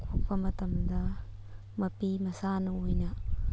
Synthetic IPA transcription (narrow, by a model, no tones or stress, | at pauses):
kʰok̚pɐmɐt̪ɐmd̪ɐ | mɐpimɐsanɐojnɐ